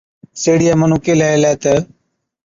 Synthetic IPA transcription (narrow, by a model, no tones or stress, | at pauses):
seːɽijaːmənũːkeːlaːelaːt̪ə